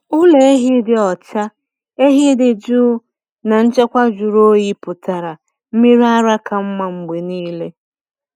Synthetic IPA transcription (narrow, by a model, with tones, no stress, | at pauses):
ʊ˦le˨e˦ɦi˦dɪ˨ɔ˨t͡ʃa˦ | e˦ɦi˦dɪ˨d͡ʒuː˦ | na˨n̩˦t͡ʃe˦kʷa˦d͡ʒu˨ɾo˦ji˦pʊ˨ta˨ɾa˨ | m̩˦mi˦ɾa˦ɾa˦ka˨m̩˦ma˨ŋ͡m̩˨ɡ͡be˨niː˦le˦